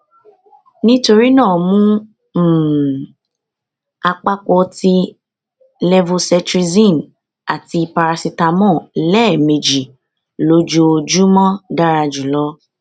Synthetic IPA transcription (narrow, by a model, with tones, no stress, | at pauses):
nĩ˦to˧ɾi˦nãː˦˨mũ˦˨ | a˧k͡pa˦kɔ˧ti˧ | lɛ˧vo˧sɛ˧tɾi˧zĩ˦˨n | a˨ti˧pa˧ɾa˧si˧ta˧mɔ̃˦˨lɛː˦˨mẽ˨d͡ʒi˨ | lo˨˦d͡ʒo˧d͡ʒu˦mɔ̃˦da˦ɾa˧d͡ʒu˨lɔ˧˦